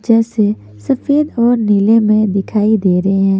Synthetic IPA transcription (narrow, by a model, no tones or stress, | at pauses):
d͡ʒɛːse | sɐfeːd̪ɔːɾnilemẽd̪ɪkʰaːid̪eːɾɐɦeɦɛ̃ː